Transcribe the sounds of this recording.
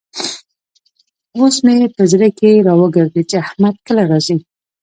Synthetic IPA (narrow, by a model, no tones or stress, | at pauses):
osmet̪əzɾakeɾɑwəɡəɾd̪et͡ʃeahmad̪̚kəlaɾɑzi